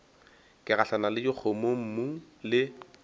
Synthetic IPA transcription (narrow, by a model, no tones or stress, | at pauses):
kʼɪɣaɬanalɪt͡ʃɪk͡xʰomom̩mu | lɪ